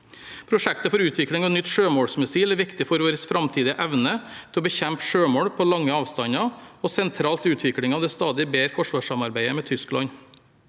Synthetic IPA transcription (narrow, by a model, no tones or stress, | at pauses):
pʰɾʊʂɛkt̪əfɔɾʉːt̪ʰʋɪkɽɪŋɔɛnʏt̪ːʂøːmoːɽsmɪsiːlæɾʋɪkt̪ɪfɔɾʋoːɾəsfɾɑmt̪ʰiːd̪ɪəʔæʋnət̪ʰɛlɔbəçɛmpʂøːmoːɽpʰɔlɑŋːəɑːʋst̪ɑɲɑɔsɛnt̪ʰɾɑːlt̪ʉːt̪ʰʋɪkɽɪŋɑːʋd̪ɛst̪ɑːd̪ɪbeːɾfɔʂʋɑːʂɑmɑɾbæɪəmɛːt̪ʰʏsklɑ̰ɲ